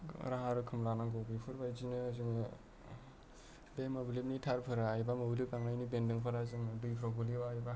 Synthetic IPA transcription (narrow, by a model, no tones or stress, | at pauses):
ɾaɦaɾɯkʰɯmɾanaŋɡobipʰɯɾbajzinɯzɯŋ | bemablip̚nitʰaɾpʰɯɾajbamoblip̚aŋnajnibendɯŋpʰɯɾazɯŋdujpʰɾɔɡɯliwajba